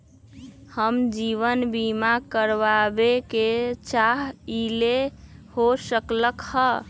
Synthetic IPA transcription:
həmd͡ʒiʋənbimakəɾbabeket͡ʃaɦilehosəkləkhə

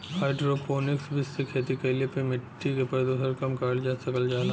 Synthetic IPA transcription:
haːɪɖɾoːpoːnɪksbʱɪsːekʰeːt̪ikɐlepemɪʈːikepɐd̪osəɾkɐmkaːld͡ʒaːsɐkəld͡ʒaːla

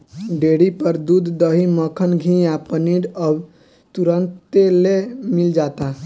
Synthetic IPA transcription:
ɖeɽipəɾd̪ud̪ʱd̪əɦiməkʰənɡʱĩapəniɾəb | t̪uɾənt̪elemild͡ʒat̪a

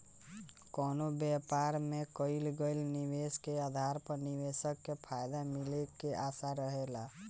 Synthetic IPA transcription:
konobɛpaɾmekəɪlɡəlniweskeəd̪ʱaɾpəniwesəkːepʰajd̪amilekeʔasaɾəɦela

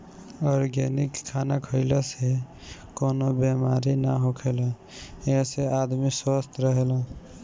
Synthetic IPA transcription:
ɔɾɡenikʰːanakʰəɪləse | konobemaɾinaɦokʰelə̃ | esead̪miswəst̪ɾəɦelə̃

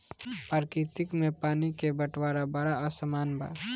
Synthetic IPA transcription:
paːɾkit̪ɪkmẽpaːnikebəʈwaːɾabəɾaəsəmaːnba̰

